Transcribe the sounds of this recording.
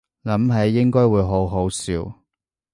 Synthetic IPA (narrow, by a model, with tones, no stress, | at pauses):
lɐ˨˥mɦɐ˨˧˥jːɪ˥ŋkɔː˥jwuː˨˧jɦo˨˥wɦo˨˥wsiː˨˧w